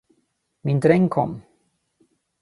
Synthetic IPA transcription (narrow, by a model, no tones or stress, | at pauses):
mɪnd̪ɾɛŋkʰɔ̰mː